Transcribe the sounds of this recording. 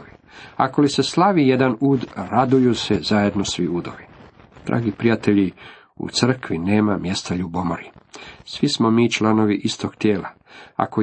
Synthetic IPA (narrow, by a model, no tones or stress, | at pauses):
iako̞lise̞slˠaʋije̞d̪anuːd̪ɾad̪ujusezaje̞d̪nosʋiuːd̪o̰ʋi | d̪̥ɾa̰ːɡipɾijat̪eʎi | ṵt̪sr̩kʋine̞ːmamje̞st̪aʎubomoɾisʋismomiːt͡ʃlˠano̞ʋiʔist̪o̞ɡ̥t̪jeːla̰ | a̰ko